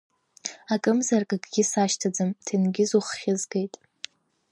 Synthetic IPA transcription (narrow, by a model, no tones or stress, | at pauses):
akʼɨmzarkʼaɡʼɡʲɪsaʃtʰad͡zɨmtʰinɡʲɪzuχχʲɪzɡejtʼ